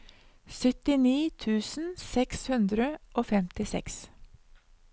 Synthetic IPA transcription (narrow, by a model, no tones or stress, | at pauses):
sʏt̪ɪniːt̪ʰʉːsn̩sɛkshʉnd̪ɾəʔoːfɛmt̪ɪsɛ̰ks